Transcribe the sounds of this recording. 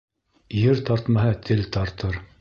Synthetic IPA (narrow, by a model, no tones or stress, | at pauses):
jɘɾt̪ɑɾt̪mɑɦɤt̪ʰɘlt̪ɑɾt̪ɤɾ